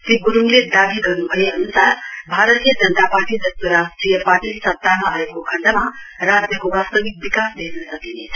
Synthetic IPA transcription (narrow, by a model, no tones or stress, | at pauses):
siɡuɾuŋled̪abʱiɡʌrnubʱʌjeʌnusarbʱaɾət̪ijʌd͡zʌnt̪apaʈid̪ʌst̪əɾasʈrijʌpaʈisʌp̚t̪amaaekokʰʌɳʈamarad͡zjʌkobast̪ʌbik̚bikasd̪enʌsʌkinet͡sʰ